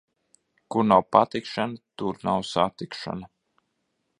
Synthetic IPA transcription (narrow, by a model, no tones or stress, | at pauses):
kuɾnawpat̪ikʃanat̪uɾnawsat̪ikʃa̰na